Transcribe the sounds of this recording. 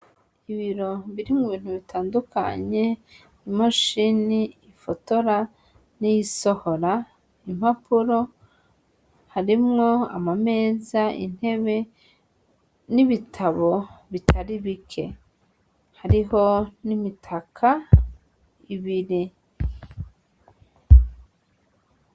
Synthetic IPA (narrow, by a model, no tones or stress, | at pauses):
iβiɾo̞βiɾimŋuβiːn̥huβitʰaːnduka̰ɲe̞ | imaʃiniː | foto̞ɾa | nijiso̞ho̞ɾa | im̥hapʰuɾo̞ | haɾimŋo̞a̰mame̞ːzaḭn̥he̞βe̞ | niβitʰaβo̞βitʰaɾiβikʰe̞̰ | haɾiho̞nimitʰakʰa | iβiɾi